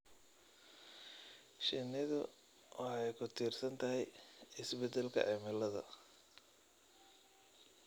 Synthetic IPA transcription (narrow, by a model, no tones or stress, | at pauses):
ʃɪnɪðʊ | wɑħɑjkʰʊt̪ʰiːrsɐnt̪ʰɐɦɛjɪsbɛd̪ɛlkʰɐ̰ʕɛmɪlɐðɐ̰